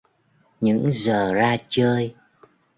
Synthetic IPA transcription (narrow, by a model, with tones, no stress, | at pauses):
ɲɨ̰˧˥ŋzəː˨˩zaː˧t͡ɕəː˧j